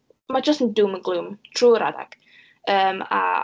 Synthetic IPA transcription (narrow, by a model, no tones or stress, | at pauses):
mad͡ʒəstənduːmənɡlˠuːmtʰruːəɾa̰da̰ɡ̥ | əːma̰